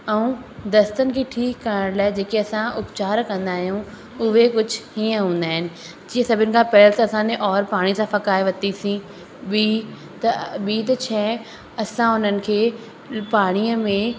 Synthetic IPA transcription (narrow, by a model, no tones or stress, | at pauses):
ɛũd̪ɐst̪ənɪ̆kʰeːʈʰiːkːɐɾəɽ̃laːɪd͡ʑeːkeɐsãʔʊpt͡ɕaːɾkɐ̃nd̪aːɦjũ | ʊɦekʊd͡ʑʱhiːə̃ɦũːnd̪aːɦɪnɪ̆ | d͡ʑiːə̃sɐbʱɪnɪ̆kʰãːpɐɦɪlt̪ɐɐsãːneʔɔːɾpaːɽ̃isãfɐkaːiʋɐt̪isĩ | ɓiː | t̪ɐɓiːt̪ɐt͡ɕʰɛː | ɐsãʊn̤ənɪ̆kʰeː | paːɽ̃iːəmẽ